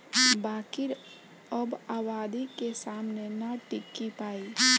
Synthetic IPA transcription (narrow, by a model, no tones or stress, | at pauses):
baːkiɾ | əbaːwaːd̪ikesaːmnenaʈɪkːipaːi